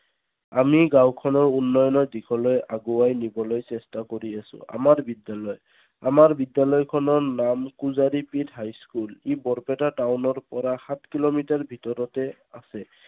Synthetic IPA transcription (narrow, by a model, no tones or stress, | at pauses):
amiɡawkʰɔnɔɹunːɔjɔnɔdikʰɔlojaɡuwajnibɔlojsɛstakoɹiasʊ̰̃a̰maɹbidjalɔj | amaɹbidjalɔjkʰɔnɔɹnamkuzaɹipithajskulebɔɹpɛtatawnɔɹpɔɹaxat̚ʰkilomitaɹbʱitɔɾɔtɛ | asɛ